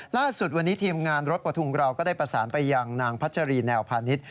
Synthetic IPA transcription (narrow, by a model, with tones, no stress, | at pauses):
laː˥˩su˨˩t̪̚wa˧nːiː˦˥t̪ʰiː˧mŋaː˧nɾo˦˥t̪̚pa˧˩t̪ʰu˧ŋkɾa˧wkɔː˥˩daː˥˩jpɾa˧saː˩˦npa˧jːa˧ŋnaː˧ŋpʰa˦˥t̪̚t͡ɕʰa˧ɾiː˧nɛː˧wpʰaː˧ni˦˥t̪̚